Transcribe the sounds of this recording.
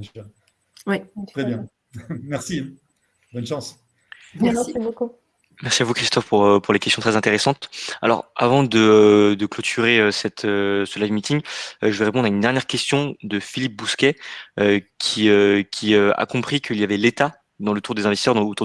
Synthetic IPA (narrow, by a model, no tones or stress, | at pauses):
wɛχɛbjɛ̃ | mɛʁsĩ | bɔnʃɑ̃s | ɛiboku | mɛʁsiavukχist̪ɔfpuʁøpuʁlekʲɛst̪jɔ̃t̪χɛzɛ̃t̪eʁesɑ̃t̪a̰lɔ̰ʁa̰vɑ̃d̪əød̪əklɔt̪ʰyʁeøsɛt̪ʰøsəlavmit̪iŋʒəvɛʁepɔ̃d̪ʁaynd̪ɛʁnjɛʁkʲɛst̪jɔ̃d̪əfilip̚buskʲɛøkʲʰiøkʲʰiøa̰kɔ̃pχikʰəiljavɛlet̪a | d̪ɑ̃lət̪uʁd̪ezɛ̃vɛst̪isœʁd̪ɑ̃ot̪u